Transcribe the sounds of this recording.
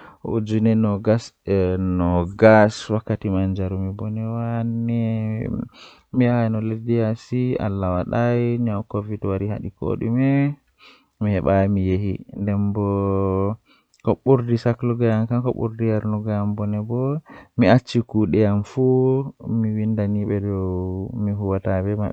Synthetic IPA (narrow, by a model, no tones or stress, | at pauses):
ṵd͡ʒunɛnɔɡasnɔɡaswakːatimand͡ʒaɾumibɔnɛwanɛ | miaanɔledijasia̰lːawaɗajɲawkovitwaɾiha̰ɗiko̰ɗṵmɛ | mihɛɓamijehindɛmbɔ | kɔɓuɾdisakluɡajamkankɔ̰ɓṵɾdijaɾnuɡajambɔnɛbɔmiat͡ʃːikuɗɛjamfumiwindaniɓɛdɔwmiɦuwatabɛma